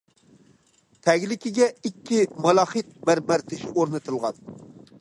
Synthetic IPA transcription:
t̪ʰɛɡʲlɪkʲɪɡʲɛikʲʰːimɑlˠɑχɨt̪̚mæɾmæɾt̪ʰɪʃoɾnɨt̪ʰɨlˠʁɑ̰n

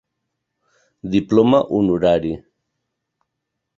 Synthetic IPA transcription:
d̪iplomaʔunuɾaɾi

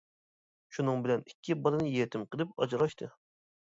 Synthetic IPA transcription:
ʃunɨŋbɪlɛnikʲːibɑlˠɨnɨjet̪ʰɪmqəlˠɪp̚ɑ̰d͡ʒɾɑʃt̪ʰɨ

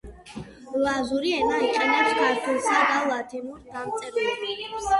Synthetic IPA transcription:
lazuɾiɛnaiqʼɛnɛpskʰaɾt̪ʰwɛlˠsad̪alˠat̪ʰimuɾd̪amt̪sʼɛbɛ

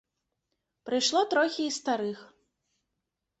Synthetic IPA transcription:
pɾɨjʂlˠɔt̪ɾɔxʲiːst̪aɾɨx

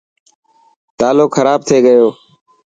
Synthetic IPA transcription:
t̪aːloːkxʰəɾaːb̚t̪ʰeːɡəjoː

